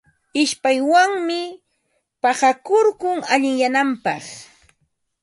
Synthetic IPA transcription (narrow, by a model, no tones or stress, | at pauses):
ɪʃpajwaŋmɪ | pɑhakoɾkʊŋaʎɪŋjanampɑχ